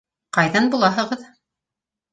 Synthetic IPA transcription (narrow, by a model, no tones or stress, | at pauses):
qɑjðɑnbulˠɑɦɤ̆ʁɤð